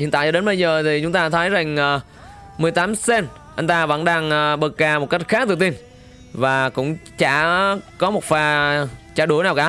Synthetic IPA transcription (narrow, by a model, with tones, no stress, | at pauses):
ḭ˧˨nt̪a̰ː˧˨jt͡ɕɔ˧ɗe˨˦nɓə˧jzəː˨˩t̪ʰi˨˩t͡ɕʊ˨˦ŋ͡mt̪aː˧t̪ʰə˨˦jza˨˩ŋ̟ʔəː˨˩ | mɨ˨˩əjt̪aː˨˦mse˧n | ʔə˧jŋ̟t̪aː˧və̰˧˥nɗaː˧ŋʔːɓɨ˨˩k̚kaː˧˩mo˨˩t̚ka˦˥jk̟̚xaː˦˥t̪ɨ˧˨˩t̪i˧n | vaː˨˩kʊ̰˧˥ŋ͡mt͡ɕaː˧˩kɔ˨˦mo˨˩t̚faː˧˩t͡ɕaː˧˩ɗu˧˩ənaː˨˩wkaː˧˩